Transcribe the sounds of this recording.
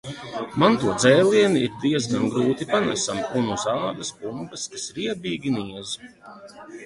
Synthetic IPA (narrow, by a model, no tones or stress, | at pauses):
mant̪uɔd̪zɛːlʲˠiɛniiɾd̪iɛzɡanɡɾuːt̪ipana̰samunuzaːd̪ɐspumbɐskasɾiɛbʲiːɡʲiniɛzu